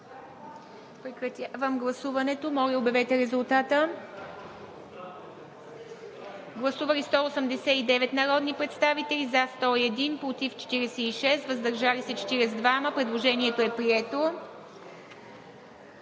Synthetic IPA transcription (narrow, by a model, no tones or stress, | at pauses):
pɾɛkɾɐt̪ʲavəmɡlˠɐsuvɐnɛt̪omɔlʲɛobjɛvɛt̪ɛɾɛzʊlˠt̪at̪ə | ɡlˠɐsuvəlist̪ɔosəmd̪ɛsɛid̪ɛvɛt̪nɐɾɔd̪nipɾɛt̪st̪avit̪ɛlizast̪ɔiɛd̪inpɾot̪ift͡ʃɛ̥t̪iɾɛsɛiʃɛst̪vəzd̪ɐɾʒalisɛt͡ʃɛ̥t̪iɾɛzd̪vaməpɾɛd̪lˠoʒɛniɛt̪oɛpɾiɛt̪o